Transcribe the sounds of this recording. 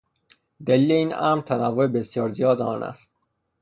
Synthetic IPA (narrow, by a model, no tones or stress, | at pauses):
d̪æliːle̞iːnʔæ̰mɾt̪ʰænævːoebesjɒːɾzijɒːd̪eɒ̰ːnʔæ̰st̪